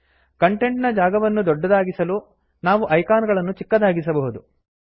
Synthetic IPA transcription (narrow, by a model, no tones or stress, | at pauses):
kɐɳʈe̞ɳʈnɐd͡ʒaːɡɐʋɐnːud̪ɔɖːɐd̪aːɡisɐlu | naːʋuʔɐjkaːnɡɐɭɐnːut͡ʃikːɐd̪aːɡis̬ɐbɐɦud̪u